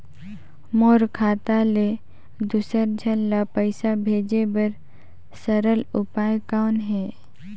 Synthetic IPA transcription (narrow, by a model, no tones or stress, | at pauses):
moːɾkʰaːt̪ale | d̪ʊsəɾd͡ʒʱənlapəɪsabʱeːd͡ʒebəɾ | səɾəlʊpaːjkaːnɦɛː